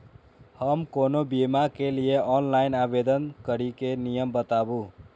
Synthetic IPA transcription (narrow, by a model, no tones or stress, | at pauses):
həmkonobimakelijeʔɔnlainabed̪ənkəɾikenijəmbət̪abu